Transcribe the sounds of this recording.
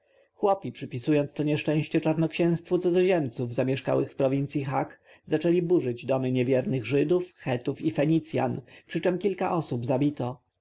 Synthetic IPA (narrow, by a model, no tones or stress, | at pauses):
xwɔpʲipʂɘpʲisujɔnt̪st̪ɔɲɛʂt͡ʂɛ̃w̃ɕt͡ɕɛt͡ʂaɾnɔkɕɛ̃w̃st̪fut̪zɔzɔʑɛmt̪suvzamʲjɛʂka̰wɘxfpɾɔvʲint̪sʲjixak | zat͡ʂɛlʲibuʐɘd͡ʑd̪ɔmɘɲɛvʲjɛɾnɘɣʐɘd̪ufxɛt̪ufifɛɲit̪sʲja̰npʂɘt͡ʂɛmkʲilkaʔɔsubzabʲit̪ɔ